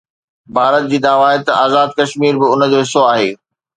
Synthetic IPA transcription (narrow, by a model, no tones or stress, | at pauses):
bʱaːɾət̪̚d͡ʑiːd̪aːʋaːɦet̪ɐʔaːzaːd̪̚kɐʃmiːɾbɪʊn̆d͡ʑoːɦɪsoaːɦeː